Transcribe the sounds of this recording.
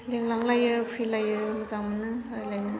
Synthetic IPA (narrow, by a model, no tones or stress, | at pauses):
leŋlaŋlajɯpʰilajɯmɯzaŋmɯnɯajlajnɯ